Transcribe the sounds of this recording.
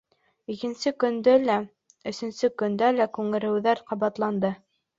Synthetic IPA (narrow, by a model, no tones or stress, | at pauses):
ikɘ̆nsɘkɵ̆nd̪ɘlæ | ɵ̆sɵ̆nsɘkɵ̆nd̪ælækʉŋɘ̆ɾɘ̆wðæɾqɑβɑt̪lˠɑnd̪ɤ